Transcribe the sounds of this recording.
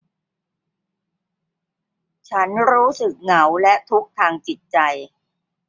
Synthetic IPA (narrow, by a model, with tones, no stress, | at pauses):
t͡ɕʰa˦˥nɾuː˦˥sɯ˨˩k̚ŋa˩˦wlɛ˦˥t̪ʰu˦˥k̚t̪ʰaː˧ŋt͡ɕi˨˩t̪̚t͡ɕa˧j